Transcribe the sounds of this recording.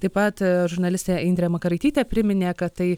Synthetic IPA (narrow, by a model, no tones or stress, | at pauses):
t̪ɐɪpɐt̪ʒʊɾnɐlʲɪsʲt̪ʲeɪnd̪ʲɾʲeːmɐkɐɾɐɪt̪ʲiːt̪ʲeːpʲɾʲɪmʲɪnʲeːkɐt̪t̪ɐɪ